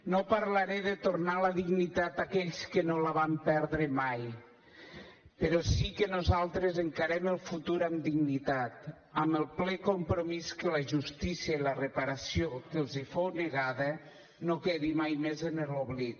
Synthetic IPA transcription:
nopaɾlaɾeðet̪oɾnaləðiɡnit̪at̪akɛʎskənoləβ̞ampɛɾðɾəmaj | peɾɔsikənuzalˠt̪ɾezəŋkaɾɛməlˠfut̪uɾamd̪iɣnit̪at̪ | aməlˠplɛkompɾomiskələʒust̪isiəilərepaɾasiokelˠzifowneɣaðə | nokeðimajmezeneloβlit

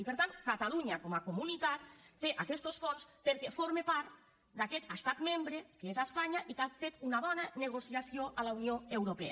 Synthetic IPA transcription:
ipeɾt̪ankat̪aluɲakomakomunit̪at̪̚ːeʔakɛst̪osfonspeɾkefoɾmepaɾt̪ | d̪akɛt̪əst̪at̪membɾekeezaspaɲaʔikafet̪unaβɔnaneɣ̞osiasioʔalaunioewɾopɛ̰a̰

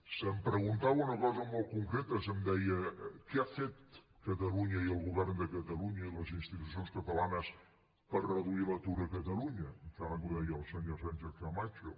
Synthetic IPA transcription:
səmpɾəɣ̞unt̪awunəkɔzəmɔlˠt̪̚kuŋkɾet̪əsəmd̪ɛjəkɛafet̪̚ | kət̪əluɲəiəlˠɣuβɛrnd̪əkət̪əluɲəiləzinst̪it̪us̬ionskət̪əlanəs | pərrəðuilət̪uɾəkət̪əluɲət̪anəkuðɛjəəlˠsəɲosɛnʲʒɛkamat͡ʃu

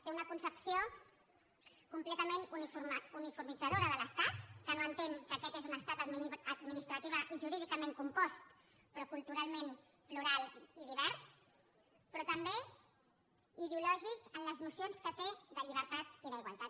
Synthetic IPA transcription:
t̪eunəkunsəpsio | kumplɛt̪əmenunifunifuɾmid͡zəð̞oɾəðələst̪at̪kənoənt̪eŋkəkɛt̪ezunəst̪at̪əd̪əd̪minist̪ɾət̪iβ̞əʔiʒuɾiðikəmẽŋkumpɔst̪ | pɾɔkulˠt̪uɾalˠmen | pluɾalˠiðiβɛɾs | pɾɔt̪əmbe | iðeulɔʒikənləznusionskət̪eðəʎiβ̞əɾt̪at̪iðəiɣwalˠt̪at̪

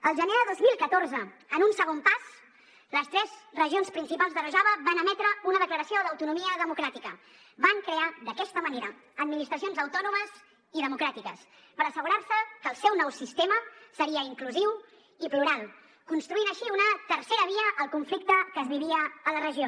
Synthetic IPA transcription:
əlˠʒəneðəðozmilˠkət̪oɾzə | ənunsəɣ̞ompaz̥ | ləst̪ɾɛz̥rəʒionspɾinsipalˠzðərəʒaβəβanəmɛt̪ɾəunəðəkləɾəsioðəwt̪unumiəðəmukɾat̪ikə | βaŋkɾead̪əkɛst̪əməneɾə̰ | əd̪̚minist̪ɾəsionzəwt̪ɔnuməz | iðəmukɾat̪ikəs | pəɾəsəɣuɾaɾsəkəːlˠsɛwnɔwsist̪eməsəɾiəiŋkluziw | ipluɾalˠ | kunst̪ɾuinəʃiunət̪ərseɾəβ̞iəʔːlˠkuɱflik̚t̪əkəːzβiβiəːlərəʒio

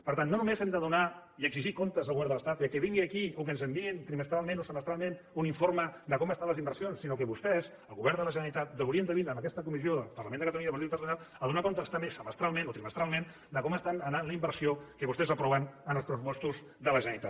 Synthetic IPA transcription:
pəɾt̪anːonumezɛmd̪əðunaiəɡziʒikont̪əzəlˠɣuβɛɾnd̪ələst̪at̪iəkeβiŋɡiəkiuk̬ənzəmbiint̪ɾiməst̪ɾalˠmẽnosəməst̪ɾalˠmẽn | uniɱfoɾməd̪əkɔməst̪anləzimbəɾrsionsːinok̬əβust̪ɛz | əlˠɣuβɛɾd̪ələʒənəɾit̪at̪̚d̪əuɾient̪əβinəməkɛst̪əkumizioəlˠpəɾləmend̪əkət̪əluɲiaəpɾt̪it̪əɾsunalˠəðunakont̪əst̪amesəməst̪ɾalˠmẽnot̪ɾiməst̪ɾalˠmen | d̪əkɔməst̪anənanləimbəɾsiokəβust̪ɛzəpɾɔβənənəlˠspɾəs̬upɔst̪uz | d̪ələʒənəɾit̪a̰t̪

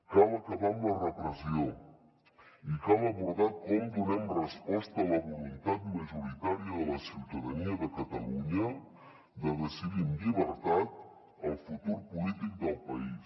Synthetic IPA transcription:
kaβakaβand̪arəpɾəsjo | ikaβaβuɾðat̪̚komd̪uβɛnrespɔst̪aːlaβulunt̪at̪̚maʒuɾit̪aɾjaːlasiwt̪aðaniaðəkat̪aluɲa | d̪əðəsiðinliβəɾt̪at̪̚ | əlˠfut̪uɾpulit̪ik̚d̪əlˠpais

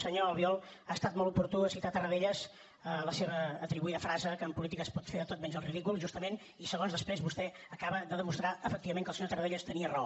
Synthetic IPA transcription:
səɲoəlˠβiɔlˠaːst̪at̪mɔlˠupuɾt̪uəsit̪at̪ərəðeʎəz | ələseβəːt̪ɾiβuiðəfɾazəkəːmpulit̪ikəspɔt̪feðət̪ot̪mɛɲzəlˠriðikulˠʒust̪əmen | isəɣ̞onzðəspɾezβust̪ɛ | əkaβəðəðəmust̪ɾaəfək̚t̪iβəmẽŋkəlˠsəɲot̪ərəβeʎəst̪əniərəo

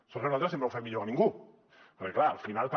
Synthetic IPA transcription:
soreunalt̪ɾasempɾəwfɛmmiʎokanĩŋɡu | pəɾkeklaəlfinalt̪

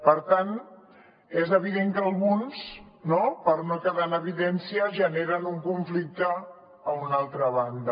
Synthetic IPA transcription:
pəɾt̪an | ezəβ̞iðeŋkəəlˠɣuns | nopəɾnokəðanəβiðɛnsiəʒəneɾənuŋkuɱflik̚t̪əː | unalˠt̪ɾəβand̪ə

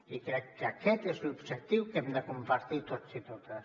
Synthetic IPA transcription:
ikɾɛkːakɛt̪ezlubʒək̚t̪iwkɛmd̪əkumpaɾt̪it̪ot̪sit̪ot̪əs

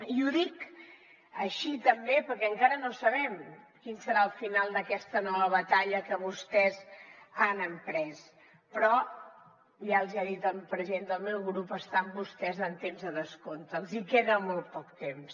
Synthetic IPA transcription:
iuðik | əʃit̪əmbepəɾkɛəŋkaɾənosəβɛmkinsəɾaəlˠfinalˠd̪əkɛst̪ənɔβəβət̪aʎəkəβust̪ɛzanəmpɾɛs | pɾɔ | ʒaəlˠziaðit̪əlpɾəziend̪əlˠmewɣɾupəst̪ambust̪ɛzənt̪emzðəðəskont̪əːlˠzikeðəmolˠt̪̚pɔk̚t̪ems

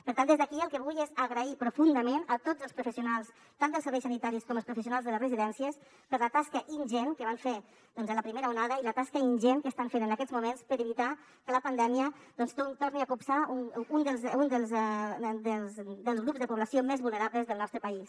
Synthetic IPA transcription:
pəɾt̪and̪ezðəkiəlˠkəβujezəɣɾəipɾufund̪əmenət̪od͡zəlˠspɾufəsiunalˠs | t̪and̪əlˠsəɾβɛjsənit̪aɾiskɔməlspɾufəsiunalˠzðələzrəziðɛnsiəs | pəɾlət̪askəʔinʒenkəβ̞aɱfe | d̪ɔnzələpɾimeɾəunaðəilət̪askəinʲʒenkəst̪aɱfenənəkɛzmumenspəɾəβit̪a | kələpənd̪ɛmiəd̪ɔnst̪ot̪orniəkupsauund̪əlˠzund̪əlˠzd̪əzd̪əlˠzɣɾupzðəpuβləsiomezβulˠnəɾaβləzðəlˠnɔst̪ɾəpəis

